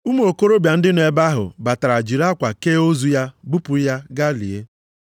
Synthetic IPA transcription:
u˦m˦o˨ko˦ɾo˦bja˨n̩˦dɪ˦n˨e˨ba˦ɦʊ̰˨ba˨ta˨ɾa˨d͡ʒi˨ɾa˦kʷa˨ke˦o˦zu˦ja˦bu˦pʊ˨˦ja˦ɡa˦lḭ˨e˦

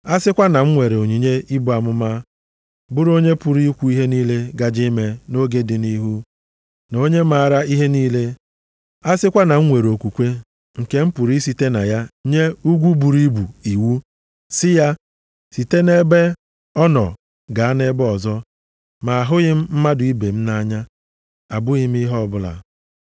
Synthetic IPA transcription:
a˦sɪ˦kʷa˦na˨ŋ̩˦ŋʷe˨ɾe˨o˨ɲi˨ɲe˦i˦bu˨a˨mʊ˦ma˦ | bʊ˦ɾo˦ɲe˦pʊ˨ɾi˦kʷu˦i˦ɦe˦niː˦le˦ɡa˨d͡ʒi˦me˦no˦ɡe˦dɪ˨ni˦ɦu˦ | no˦ɲe˦ma˨ɾa˦i˦ɦe˦niː˦le˦ | a˦sɪ˦kʷa˦na˨ŋ̩˦ŋʷe˨ɾo˨kʷu˨kʷe˦ | ŋ̩˨ke˦m̩˦pu˨ɾi˦si˨te˦na̰˨ja˦ɲe˦u˦ɡʷu˦bu˨ɾi˦bu˨i˨wu˦ | sɪ˦ja˦ | si˨te˦ne˦be˦ | ɔ˦nɔ̰˨ | ɡa˨a˦ne˦bɔ˨zɔ˦ | ma˨a˨ɦʊ˦ɣɪ˦m̩˦m̩˦ma˦dʊ˨i˦be˨m̩˦na˦ɲa˦ | a˨bʊ˦ɣɪ˦m˦i˦ɦɔ˦˨bʊ˦la̰˨

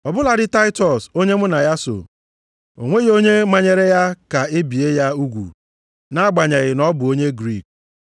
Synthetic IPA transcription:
ɔ˨bʊ˦la˨ɾɪ˦ta˦ɪ˦tɔ˨so˦ɲe˦mʊ˦na˨ja˦so̰˨ | o̰˨ŋʷe˦ɣo˦ɲe˦ma˦ɲe˦ɾe˦ja˦ka˨e˦bi˨e˦ja˦u˦ɡʷṵ˨ | na˦ɡ͡ba˨ɲe˨ɣɪ˨nɔ˦bʊ˨o˦ɲe˦ɡɾi˦˨k̚

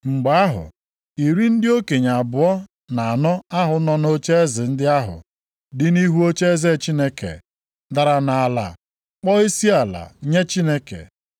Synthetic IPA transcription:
ŋ͡m̩˨ɡ͡ba˨˦a˦ɦʊ̰˨ | i˨ɾi˦n̩˦dɪ˦o˦ke˨ɲa˨a˨bʊ˨ɔ˦ | na˨a˨nɔ˦a˦ɦʊ˨˦nɔ˦no˦t͡ʃe˦e˦zɪ˨n̩˦dɪ˦a˦ɦʊ̰˨ | dɪ˦ni˦ɦu˦o˦t͡ʃe˦ze˦˨t͡ʃi˦ne˦kḛ˨ | da˨ɾa˨na˨a˨la̰˨ | k͡pɔ˦i˦si˦a˨la̰˨ɲe˦t͡ʃi˦ne˦kḛ˨

